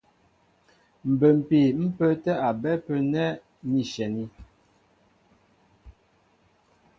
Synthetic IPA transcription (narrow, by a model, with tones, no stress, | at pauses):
m̩˨bə˨m̩˨pe˨m̩˦pə˦tɛ˦a˨bɛ˦pə˦nɛ˦ | ni˨ʃɛ˨ni˦